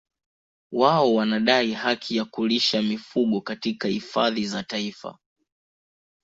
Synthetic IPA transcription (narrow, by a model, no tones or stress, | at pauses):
waɔwanaɗaihakʰijakuliʃamifuɠɔkatikahifaðizataifa̰